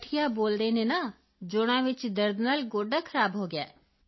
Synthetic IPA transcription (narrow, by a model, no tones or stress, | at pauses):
ʈʰijaboːld̪enẽna | d͡ʒoːɽ̃ãʋɪt͡ʃd̪əɾd̪naːlɡoːɖakʰɐɾaːbɦoːɡja̰ː